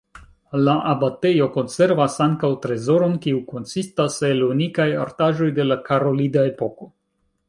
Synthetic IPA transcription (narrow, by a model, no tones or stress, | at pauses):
laʔabate̞jo̞ko̞nse̞ɾvasaŋkawtɾe̞zo̞ɾo̞nkiuko̞nsistaselunikaja̰ɾtaʒo̞jde̞lakaɾo̞lidae̞po̞ko̞